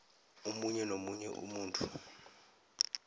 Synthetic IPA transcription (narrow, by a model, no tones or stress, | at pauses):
omuɲɛnomuɲɛ̰ʔṵmuːntʰʼu